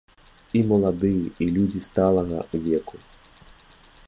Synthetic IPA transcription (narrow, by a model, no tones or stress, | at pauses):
imɐlˠad̪ɨjɛʔilʲud͡zʲist̪alˠɐɣɐ̰uvʲɛkʰu